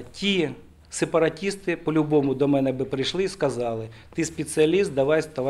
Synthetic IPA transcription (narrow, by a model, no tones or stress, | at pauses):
tʲi | sepɐɾɐtʲist̪ɪpɔlʲʊbɔmʊd̪ɔmɛnɛbɪpɾɪjʃlˠɪiskɐzɑlˠɪ | t̪ɪspʲet̪sɨɐlʲist̪̚d̪ɐʋɑjst̪ɐʋ